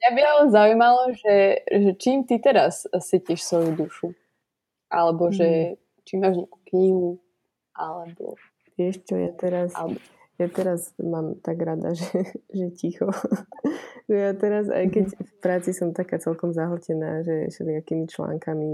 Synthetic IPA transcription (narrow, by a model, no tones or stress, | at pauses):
jabialɛzaujmalɔʒɛʒɛt͡ʃiːmt̪it̪ɛɾassiciʃsʋɔjud̪uʃu | ʔalɛbɔʒɛ | t͡ʃimaːʒɲɪaku̥kɲiɦu | ʔalɛbɔ̰ | ʋɪɛʃt͡ʃɔja̰t̪ɛɾas | jat̪ɛɾasmaːmt̪aɡɾad̪a̰ʒɛʒɛcixɔ | ʒɛjat̪ɛɾaza̰jkɛcfpɾaːt͡sisɔmt̪akaːt͡sɛlkɔmzaɦl̩cɛnaːʒɛʒɛlɪakiːmit͡ʃla̰ːŋkami